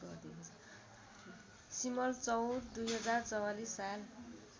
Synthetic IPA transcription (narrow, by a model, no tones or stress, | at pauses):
ɡʌrd̪iɦont͡sʰ | simʌlt͡sʌwɾd̪ujɦʌd͡zart͡sʌwalisːal